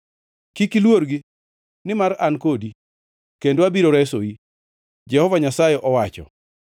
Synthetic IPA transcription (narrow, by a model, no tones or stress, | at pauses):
kikilwoɾɡi | nɪmaɾankodi | kendoabiɾoɾɛsoi | d͡ʒɛhɔvaɲasajɛʔɔwat͡ʃɔ̰